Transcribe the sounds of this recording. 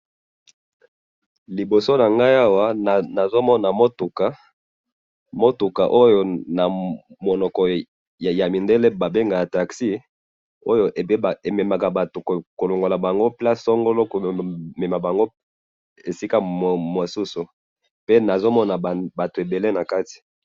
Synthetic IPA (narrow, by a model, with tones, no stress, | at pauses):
li˨bo˨so˦na˨ŋɡa˦ja˦wa˦˨na˨zo˦mɔ˦na˨mo˦tu˨ka˨˦ | mo˦tu˨ka˨ʔo˦jo˦na˨ | mo˨nɔ˨kɔ˨ | ja˨mi˨nde˦le˦ba˨be˦ŋɡa˨ja˨ta˨ksi˦ | o˦jo˦ʔe˨˦˨e˨me˨ma˨ka˨ba˨to˨ko˨lo˨ŋɡo˨la˨ba˨ŋɡo˦pla˦ssɔ˦ŋɡo˦lo˦ko˨me˨ma˨ba˨ŋɡo˦ | e˨si˦ka˦m˨mwo˨su˦su˨ | pe˦na˨zo˦mɔ˦na˨ba˨to˨e˨be˨le˦na˨ka˦ti̥˨